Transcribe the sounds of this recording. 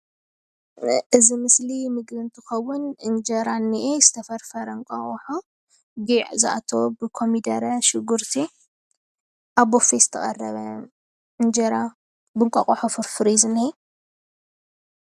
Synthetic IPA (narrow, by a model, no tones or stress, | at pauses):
ʔɨzimɨslimɨɡlɨnt̪ʰɨxɐwːʊnʔɨnd͡ʒɐɾanːiʔezɨt̪ʰɐfɐɾfɐɾɐŋkʼɐ̰χʼoħo | ɡiʕzɨʔa̰t̪ʰo̞bɨkʰo̞mid̪ɐɾɐʃɪɡuɾt̪ʰi | ʔaβofezɨt̪ʰɐχʼɐ̰rːɐ̰βɐ | ʔɨnd͡ʒɐɾa | bɨŋkʼɐχʼoħofɐfɨɾizɨnhi